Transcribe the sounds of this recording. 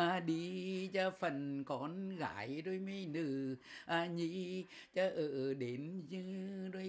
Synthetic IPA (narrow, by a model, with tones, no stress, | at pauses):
a˧˩ɗi˧t͡ɕɔ˧fə˨˩nkɔ˨˦nɣa̰ː˧˨˩jzo˧jmə˧jnɨ˧˩ʔaː˧˩ɲi˧˥ | t͡ɕɔ˧ʔəː˧˩ɗe˨˦nzɨ˧˦zo˧j